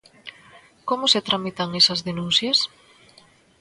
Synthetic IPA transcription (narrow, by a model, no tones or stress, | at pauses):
komoset̪ɾʔamit̪aŋesɐzðenũn̟θjɐs